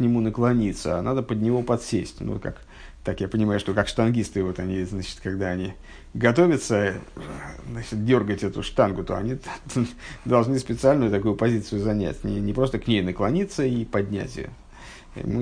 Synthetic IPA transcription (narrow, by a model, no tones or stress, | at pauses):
knʲɪmunəklˠɐnʲit̪səa̰nʔad̪əpəd̪̚ʲnʲɪvo̞pɐt̪sʲesʲtʲnṵka̰k | t̪akjapənʲɪmajʊʂt̪o̞kakʂt̪ɐnɡʲist̪ɨvo̞t̪ɐnʲiznat͡ɕɪ̥t̪kɐɡd̪aɐnʲi | ɡɐt̪o̞vʲət̪sə | znat͡ɕɪt̪̚dʲo̞rɡətʲɛt̪ʊʂt̪anɡʊt̪o̞̰ɐ̰nʲi | d̪ɐlˠʐnɨspʲɪt̪sɨalʲnʊjʊt̪ɐkujʊpɐzʲit̪sɨjʊzɐnʲæ̰tʲnʲɪnʲɪpɾo̞st̪əknʲejnəklˠɐnʲit̪səipɐdʲnʲæ̰tʲɪ̰ | ɪ̰mɨ